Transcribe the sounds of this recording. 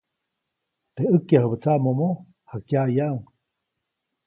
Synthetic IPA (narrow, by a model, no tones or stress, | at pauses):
t̪eəkjahəbət͡samomo | hakjajaʔŋ